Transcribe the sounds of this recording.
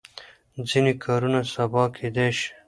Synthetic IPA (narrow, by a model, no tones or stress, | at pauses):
d͡zinikʰɑːɾunasabɑːkʰed̪eʃ